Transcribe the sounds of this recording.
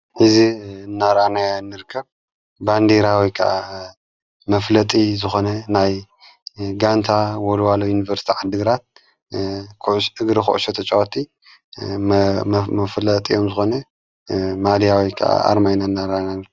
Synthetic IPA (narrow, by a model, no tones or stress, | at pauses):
ħɨzinːaɾanajnːɨɾɨkʰːɐβ | band̪eɾawikʰɐʔa | mɐflɐt̪ʼizɨxo̞nɐnaj | ɡant̪ʰawolwalojunivɐɾst̪ʰiʕad̪ɨɡɨɾat̪̚ | kʰʕʃʔɨɡɾixṵʔʃot̪ʰɐt͡ʃʼawt̪ʰi | mɐflɐt̪ʼio̞mzɨxo̞nɐ | mad̪ijawikʰɐ̰ʔa̰ʔa̰ɾmajnanːaɾanan